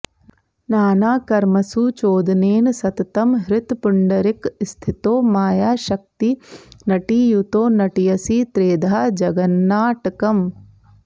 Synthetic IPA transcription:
naːnaːkɐɾmɐsuːt͡ʃoːd̪neːnsɐt̪ɐt̪ɐmɦɾɪt̪puɳɖɐɾikst̪ʰit̪oːmaːjaːʃɐk̚t̪inɐʈiːjut̪oːnɐʈijɐsit̪ɾeːd̪ʱaad͡ʒɐɡɐnːaːʈɐkɐm

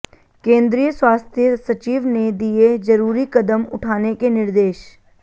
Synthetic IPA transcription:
kẽːnd̪ɾijəswaːst̪ʰjəsɐt͡ʃiːʋned̪ied͡ʒɐɾuːɾikɐd̪əmʊ̰ʈʰaːnekenɪɾd̪eːʃ

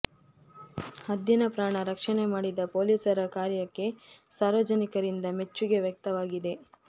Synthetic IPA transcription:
hɐd̪ːinɐpɾaːɳɐɾɐkʂɐne̞maːɽid̪ɐpoːliːsɐɾɐkaːɾjɐkːe̞saːɾʋɐd͡ʒɐnikɐɾind̪ɐme̞t͡ʃːuɡe̞ʋjɐk̚t̪ɐʋaːɡid̪e̞

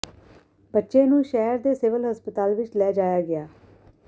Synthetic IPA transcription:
bətːʃẽːnũːʃɛːəɾd̪eːsɪːʋəlɦəspət̪aːlʋɪt͡ʃlɛːd͡ʒaːjaːɡɪaː

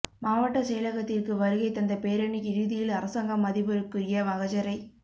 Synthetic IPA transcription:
maːʋɐʈːɐsɛjlɐɣɐt̪ːɪrkɯʋɐɾɯɣɐɪt̪ːɐnd̪ɐpeːɾɐɳiɪɾɯðɪjɪlɐɾɐsɐŋɡɐmːɐðɪbɯɾɯkːɯɾɪjɐʋɐɣɐd͡ʒɐɾɐɪ

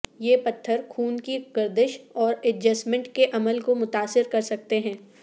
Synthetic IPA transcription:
jeːpɐt̪ʰːəɾxʰuːnkiɡ̥ɪɾd̪ɪʃɔːɾɛʈ̚d͡ʒɐsmɛ̃ɳʈkeʔɐməlkomʊt̪aːsɪɾkɐɾsɐk̚t̪eɦɛ̃ː

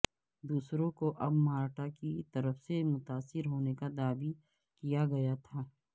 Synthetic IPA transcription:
d̪uːsɾõkoʔɐbmaːɾʈakit̪ɐɾəfsemʊt̪aːsɪɾɦoːnekad̪aːbi | kijaɡɐjat̪ʰaː

